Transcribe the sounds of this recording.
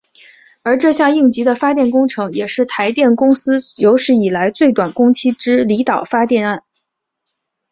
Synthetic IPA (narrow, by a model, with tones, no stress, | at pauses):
ə˞˧˥ʈ͡ʂɤ˥˧ɕjɑ˥˧ŋi˥˩ŋt͡ɕi˧˥d̪ə˨fa˥t̪jɛ˥˩nkʊ˥ŋʈ͡ʂʰɤ˧˥ŋjɛ˨˩ʂɻ̩˥˩t̪ʰa˧˥ɪt̪jɛ˥˩nkʊ˥ŋsɹ̩˥jo˧˥ʊʂɻ̩˥˩i˨˩la˧˥ɪt͡swe˥˩ɪt̪wa˨˩nkʊ˥ŋt͡ɕʰi˥ʈ͡ʂɻ̩˥li˧˥t̪ɑ˨˩ʊfa˥t̪jɛ˥˧na˥˩n